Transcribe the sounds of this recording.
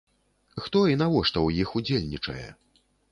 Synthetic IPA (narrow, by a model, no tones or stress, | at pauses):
xt̪ɔin̪avɔʂt̪ɔwjixud͡zʲelʲnʲit͡ʂɐ̰jɛ̰